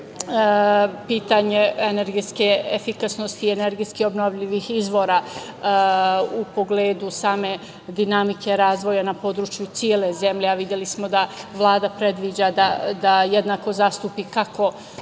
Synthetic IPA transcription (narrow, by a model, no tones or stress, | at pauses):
piːt̪aɲeeneɾɡiskeefikasnost̪iːeneɾɡiskio̞bnoʋʎiʋixizʋo̞ːɾaː | upo̞ɡleːd̪usaːme̞ | d̪inamikʰe̞ɾaːzʋo̞janapo̞ːd̪ɾuːt͡ʃjut̪siele̞ze̞mʎeaʋid̪jelismo̞d̪aʋlˠaːd̪apɾed̪ʋid͡ʑad̪ad̪ajed̪naːko̞zaːst̪uːpikako̞